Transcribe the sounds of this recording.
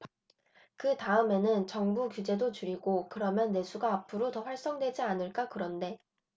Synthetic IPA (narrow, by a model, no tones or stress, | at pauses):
kɯtaɯme̞nɯnt͡ɕʌŋbukjud͡ʑe̞dot͡ɕuɾiɡokɯɾʌmjʌnːe̞sʰuɡaːpʰɯɾotʌɸwaɭs͈ʌŋdwe̞d͡ʑianɯɭk͈akɯɾʌnde̞